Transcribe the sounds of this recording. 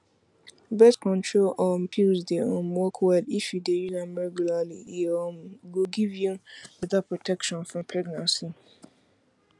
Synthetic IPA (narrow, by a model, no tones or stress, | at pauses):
bɛskʰɔ̃ntʰɹolɔmpʰilzdeɔ̃nmɔkʰwadifjudejinãmɹɛɡjulalḭɔmɡoɡivjũbɛdapɹɔtʰɛkʃɔ̃nfɹɔ̃mpʰɹɛɡnãnsi